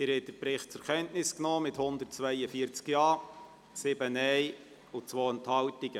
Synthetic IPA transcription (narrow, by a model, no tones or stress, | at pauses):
ɪɾhɛɪd̪əpɾɪχt̚t͡sʊɾkʰɛntnɪsknɔːmɪthʊnd̪ərt̚t͡svæɪəfiːəɾt͡skjɑː | sɪbənɛɪ | ʊt͡sʋoːənthɑltɪɡ̥ə